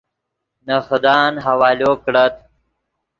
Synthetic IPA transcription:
naxd̪ɑːnɦawaːloːkɽət̪̚

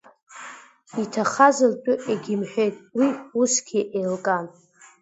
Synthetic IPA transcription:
itʰaχazɨlt͡pʼʊʔeɡʲɪmħᶣejtʼwiusɡʲiʔejlkʼan

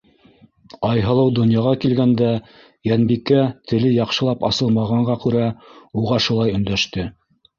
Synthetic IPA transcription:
ɑjɦɤ̆lˠɤwd̪ŏnjɑʁɑkilɡænd̪æ | jænbikæt̪ʰɘ̆lɘjɑqʃɤ̆lˠɑpɑ̰sɤ̆lˠmɑʁɑɴɢɑkʉɾæuʁɑʃulˠɑjɵ̆nd̪æʃt̪ɘ

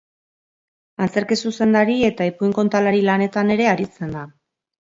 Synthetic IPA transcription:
ant͡se̞ɾkesuse̞nd̪aɾie̞t̪aepuiŋko̞nt̪alaɾilane̞t̪ane̞ɾe̞aɾit͡se̞nd̪a

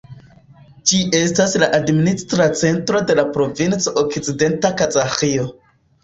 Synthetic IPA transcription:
d͡ʒiʔe̞staslaʔadministɾat͡se̞ntɾo̞de̞lapɾo̞vint͡soʔokt͡side̞ntakazaxio̞

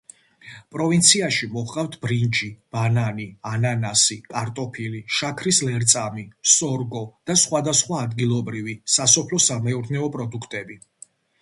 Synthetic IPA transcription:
pʼɾɔvint̪sʰiaʃimɔχqʼaft̪ʰb̥ɾind͡ʒib̥ananiananasikʼaɾt̪ʼɔpʰiliʃakʰɾislɛɾt̪sʼamisɔɾɡɔd̪̥asχwad̪asχwaːd̪ɡilˠɔbɾivisasɔpʰlɔsamɛuɾnɛɔpʼɾɔd̪ukʰt̪ʼɛbi

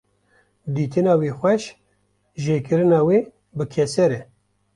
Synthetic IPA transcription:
d̪iːt̪ɨnɑːwiːxʷɛʃ | ʒeːkɨɾɨnɑːweː | bɨkʰɛsɛɾɛ

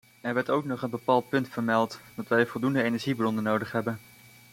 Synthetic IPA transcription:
ɛɹʋɛɹtowknɔχənbəpaːlˠt̚pɵntfəɹmɛlˠtdɑtʋɛjvɔlˠdundəejnɛɹʒibrɔnənowdəχɦɛbən

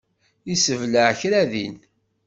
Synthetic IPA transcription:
isəvləʕçɾæðḭn

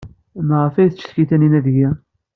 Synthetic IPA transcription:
nʁəfæjθt͡ʃːθçiθæninæðʝæ

